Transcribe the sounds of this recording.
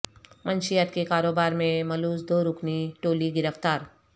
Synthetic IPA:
mə̃nʃɪjət̪̚kekaːɾoːbaːɾmẽmɐluːs̬d̪oːɾʊkniʈoːliɡɪɾəft̪aːɾ

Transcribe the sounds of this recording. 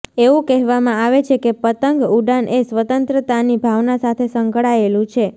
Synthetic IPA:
eʋũkɛɦʋamãaʋet͡ʃʰekepət̪əŋɡuɖanʔesʋət̪ənt̪ɾət̪anibʱaʋnasat̪ʰesəŋkɭaelũt͡ʃʰe

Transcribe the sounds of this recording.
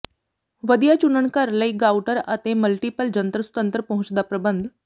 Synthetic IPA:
ʋəd̪ijat͡ɕunəɳkaɾləiːɡauʈəɾə̰t̪eməlʈipəld͡ʒənt̪ɾəsu̥t̪ənt̪əɾpɐɦut͡ɕd̪apɾəbənd̪ʱ

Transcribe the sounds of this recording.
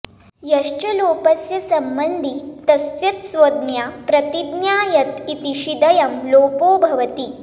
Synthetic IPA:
jɐʃt͡ɕɐloːpɐsjɐsɐmbənd̪ʱiːt̪ɐst̪jɐt̪sʋod̪njapɾɐt̪id̪njaːjɐt̪it̪iʃid̪ɐjɐmloːpoːbʱɐʋɐt̪iː

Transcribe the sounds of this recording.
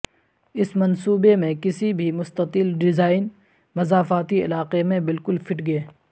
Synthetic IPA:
ɪsmɐnsuːbemẽkɪsibʱimʊst̪ət̪ɪlɖɪzaːɪn | mɐzaːfaːt̪iɪ̰laːqemẽbɪlkʊlfʰɪʈɡɐeː

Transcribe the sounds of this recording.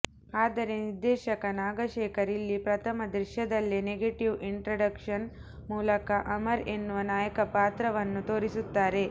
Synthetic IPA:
aːd̪ɐɾe̞niɾd̪ɛːʃɐkɐnaːɡɐʃɛːkɐɾilːipɾɐt̪ʰɐmɐd̪ɾiʃjɐd̪ɐlːineɡeʈiʋiɳʈɾɐɖɐkʂɐn | muːlɐkɐʔɐmɐɾe̞nːuʋɐnaːjɐkɐpaːt̪ɾɐʋɐnːut̪o̞ːɾisut̪ːaːɾe̞

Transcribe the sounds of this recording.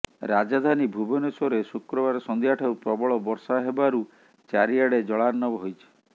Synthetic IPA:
ɾad͡ʒad̪ʱanibʱubɔnesɔɾesukɾɔbaɾɔsɔnd̪iaʈʰaupɾɔbɔɭɔbɔɾsaɦebaɾu | t͡ʃaɾiaɽed͡ʒɔɭaɾnɔbɔɦojt͡ʃʰi̥

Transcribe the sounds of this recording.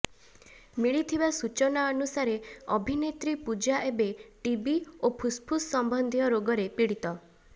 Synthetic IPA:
miɭit̪ʰibasut͡ʃɔnaɔnusaɾeɔbʱinet̪ɾipud͡ʒaʔebeʈibiopʰuspʰusːɔmbɔnd̪ʱijɔɾoɡɔɾepiɽit̪ɔ

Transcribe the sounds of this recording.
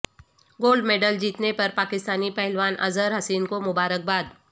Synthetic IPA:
ɡoːlɖmeːɖəld͡ʒiːt̪nepɐɾpaːkɪst̪aːnipɐɦɛlʋaːnʔɐ̰zəɾɦɐsiːnkomʊbaːɾək̚baːd̪

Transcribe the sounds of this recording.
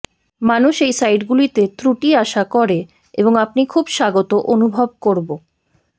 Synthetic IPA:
manuʃejsajʈɡulit̪et̪ɾuʈiaʃakɔɾe | eboŋap̚nikʰubʃaɡot̪oʔonubʱob̚koɾbo

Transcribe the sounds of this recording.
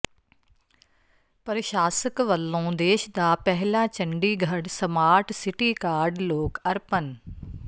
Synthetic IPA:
pəɾəʃaːsəkʋəlːõːd̪eːʃd̪aːpɛɦlaːt͡ʃə̃ɳɖiːɡʱəɽsəmaːʈsɪʈiːkaːɾɖloːkəɾpən

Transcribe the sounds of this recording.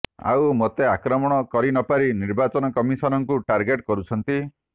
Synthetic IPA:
a̰wmot̪eakɾɔmɔɽ̃ɔkɔɾinɔpaɾiniɾbat͡ʃɔnɔkɔmisɔnɔŋkuʈaɾɡeʈkɔɾut͡ʃʰɔnt̪i

